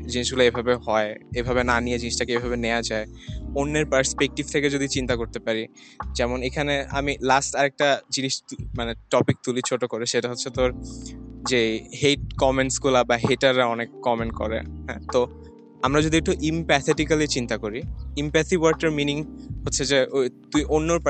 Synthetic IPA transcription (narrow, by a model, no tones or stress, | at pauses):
d͡ʑiniʃɡulaebʱabehɔeebʱabenanijed͡ʑiniʃʈakeebʱabenead͡ʑaeonːeɾpəɾspek̚ʈibt̪ʰeked͡ʑod̪it͡ɕint̪akoɾt̪epaɾid͡ʑɛmonekʰanea̰milasʈaɾek̚ʈad͡ʑiniʃmaneʈɔpik̚t̪ulit͡ɕʰoʈokoɾeʃeʈaɦotːʰet̪oɾ | d͡ʑeɦeʈ̚kɔmenʈsɡulabaɦeʈaɾaɔnekːɔmenkɔ̰ɾḛɦɛ̰̃t̪o | amɾad͡ʑod̪iek̚ʈuʔimpɛt̪ʰeʈikalit͡ɕint̪akoɾiimpɛsiwaɾʈeɾminiŋɦotːɕʰed͡ʑeot̪ujʔonːoɾ